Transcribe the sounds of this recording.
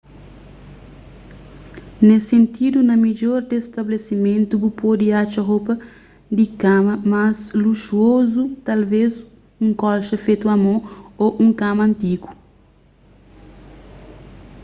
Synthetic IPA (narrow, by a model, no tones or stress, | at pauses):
nesẽnt̪id̪unɐmid͡ʒoɾd̪est̪ɐblesimẽnt̪ubupod̪iat͡ʃɐɦopɐ | d̪ikamɐmasluʃuozut̪alves | ũŋkɔlʃɐfet̪uɐmooʔũŋkamɐ̃nt̪iku̥